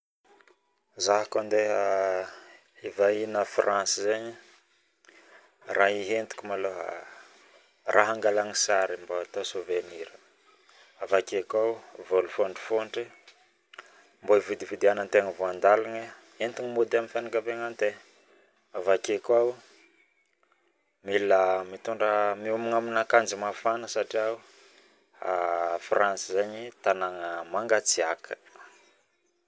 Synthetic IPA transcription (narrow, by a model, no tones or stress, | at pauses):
zaɦakand̪eɦa | ivainəfrʔansizeɲi | raɦiɦent̪i̥kʲumaloɦa̰ | rʔaɦaŋɡalaŋisaɾimboat̪osoveniɾə | avakʲekawvolufoɳɖ͡ʐi̥foɳʈ͡ʂi | mboivud̪ivid̪ianant̪eŋəvoand̪alanə | ent̪iŋimod̪amifenakapeŋant̪e | avakekwawu | milamit̪uɳɖ͡ʐəmiumiŋaminakand͡ʒimafanəsaʈ͡ʂiau | afransizaɲit̪anaŋəmaŋɡat͡siakʰə̥